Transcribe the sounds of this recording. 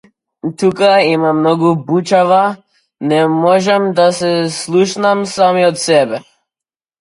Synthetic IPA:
t̪ukaimamnɔɡubut͡ʃava | nɛmɔʒɛmd̪asɛslˠuʃnamsamiɔt̪sɛbɛ

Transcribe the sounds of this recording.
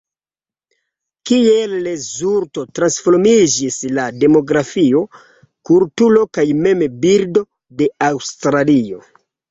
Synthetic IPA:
kielːezuɾto̞tɾansfoɾmid͡ʒislade̞mo̞ɡɾafio̞ | kultulo̞kajme̞mbiɾdo̞ | de̞awstɾalio̞̰

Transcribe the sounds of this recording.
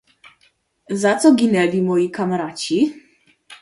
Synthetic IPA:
zat̪sɔɡʲinɛlʲimɔjikamaɾat͡ɕi

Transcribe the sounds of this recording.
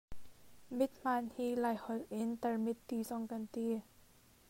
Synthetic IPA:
mit̪̚maːnhiːlajhɔlʔint̪əmit̪ːiːsɔŋkant̪iː

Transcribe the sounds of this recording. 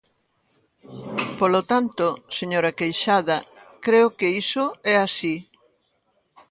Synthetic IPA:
polot̪ant̪oseɲoɾɐkejʃaðɐkɾeʊkeisoɛasi

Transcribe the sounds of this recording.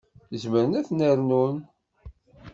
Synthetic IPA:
zməɾənæθnəɾnun

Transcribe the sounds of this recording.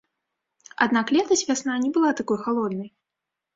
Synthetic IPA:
ad̪naklʲɛt̪ɐsʲvʲasnanʲɛbɨlˠat̪akɔjxalˠɔd̪nɐj

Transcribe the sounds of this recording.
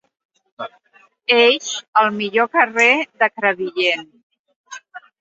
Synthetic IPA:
eʃəlˠmiʎokəreðəkɾəβiʎen

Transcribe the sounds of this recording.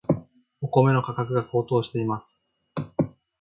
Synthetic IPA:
oko̞me̞no̞kakakɯ̟ɡako̞ːt̪o̞ːɕi̥t̪e̞imasɨ̥

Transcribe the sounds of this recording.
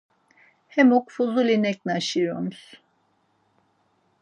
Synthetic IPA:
hɛmokfuzulʲenɛc̚naʃɯjomus

